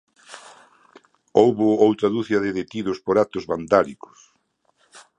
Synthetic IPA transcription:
owβʊowt̪ɾɐðuθjɐðeðet̪iðʊspoɾat̪ʊzβand̪alikʊ̥s

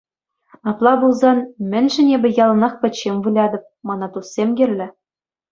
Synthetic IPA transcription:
ɑplˠɑbulˠzɑnmʲɘ̆nʲʒɘ̆nʲebʲɘ̆jɑlˠɤ̆nɑχpʲɘ̆t͡ɕːemʲvɯlʲɑd̪ɤ̆p̚mɑnɑt̪usʲsʲemɡʲɘ̆rʲlʲɘ̆

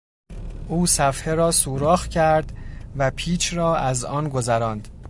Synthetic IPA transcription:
ʔuːsæfheɾɒːsuːɾɒːxcʰæɾd̪væpʰiːt͡ʃʰɾɒːæzɒːnɡo̞zæɾɒːnd̪̥

